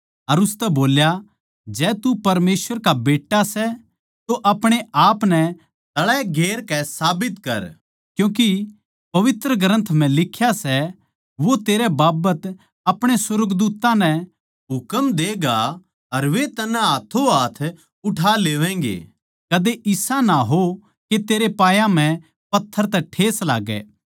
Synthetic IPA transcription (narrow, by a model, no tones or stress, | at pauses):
ɐɾʊst̪ɛboːlja | d͡ʒɛːt̪upɐɾmeːsʋəɾkabeːʈːasɛ | t̪oʔɐpɽ̃eaːpnɛ | t̪ɐɭɛɡʱeːɾkɛsaːbɪt̪kɐ̰ɾ | kjũːk̬i | pɐʋɪt̪ɾəɡɾə̃nt̪ʰm̤ɛ̃lɪkʰːjasɛ | ʋot̪eːɾɛbaːbət̪ | ɐpɽ̃esʊɾəɡd̪uːt̪ːãnɛ | ɦʊkəmd̪eːɡa | ɐɾʋet̪ɐnɛɦaːt̪ʰoɦaːt̪ʰ | ʊʈʰaːleːʋɛ̃ːŋɡḛː | kɐd̪eʔɪsanaɦo | ket̪eːɾepaːjãm̤ɛ̃ | pɐt̪ʰːəɾt̪ɛʈʰeːsla̰ːɡɛ̰ː